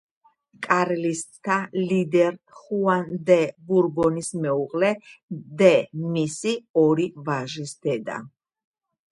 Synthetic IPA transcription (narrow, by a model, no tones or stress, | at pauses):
kʼaɾlist̪ʼt̪ʰalid̪ɛɾ | χuand̪ɛbuɾɡɔnismɛuqʼlɛd̪ɛmisiɔɾivaʒisd̪ɛd̪a̰